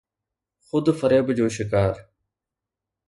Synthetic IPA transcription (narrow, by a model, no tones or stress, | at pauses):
xʊd̪fəɾeːbd͡ʒoːʃɪkaːɾ